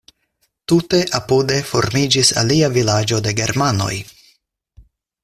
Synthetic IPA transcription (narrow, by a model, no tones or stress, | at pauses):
tute̞ʔapude̞fo̞̰ɾmid͡ʒisa̰liavilad͡ʒo̞de̞ɡe̞ɾmano̞̰j